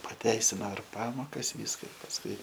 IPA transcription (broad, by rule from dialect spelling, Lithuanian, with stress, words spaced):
pɐˈtʲɛɪsʲɪnoː ɪr ˈpɑːmoːkɐs ˈʋʲiːskɐ pɐsˈkʊɪ